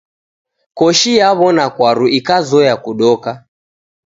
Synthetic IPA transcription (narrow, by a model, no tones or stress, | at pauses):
kɔʃijaβɔnakwaɾuikazɔjakuɗɔka